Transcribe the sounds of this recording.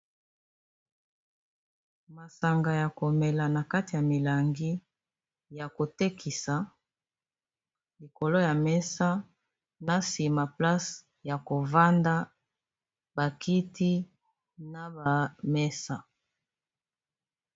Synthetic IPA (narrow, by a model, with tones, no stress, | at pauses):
ma˨sa˨ŋɡa˨ja˨ko˨mɛ˨la˨na˨ka˦ti˨ja˨mi˨la˨ŋɡi˦ | ja˨ko˨te˦kʰi˨sa˨ | li˨ko˨lo˦ja˨mɛ˦sa˦ | na˦si˨ma˨pla˦s | ja˨ko˨va˦nda˦ | ba˨ki˦ti˦ | na˨ba˨mɛ˦sa˨